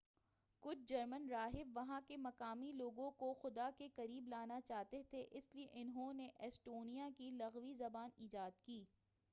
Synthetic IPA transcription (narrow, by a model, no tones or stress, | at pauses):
kʊt͡ʃʰd͡ʒɐɾmənɾaːɦɪbʋɐɦãkemɐkaːmiloːɡõkoxʊd̪akekɐɾiːblaːnat͡ʃaːɦt̪et̪ʰeʔɪslieʔɪnɦõneʔɛsʈoːnijakilɐɣʋizɐbaːniːd͡ʒaːd̪kiː